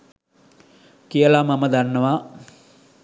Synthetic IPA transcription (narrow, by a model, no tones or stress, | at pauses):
kijəlamaməd̪anːəʋa